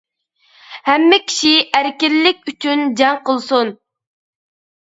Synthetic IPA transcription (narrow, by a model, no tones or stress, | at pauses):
hɛmːɪkʲʰi̥ʃiæɾkʲiɾlɪk̚ʲyt͡ʃynd͡ʒɑŋqʰəlˠsun